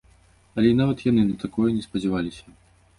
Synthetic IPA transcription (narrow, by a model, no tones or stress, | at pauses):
ɐlʲɛnavɐt̪janɨnɐt̪akɔjɐnʲɛspɐd͡zʲɛvalʲisʲɐ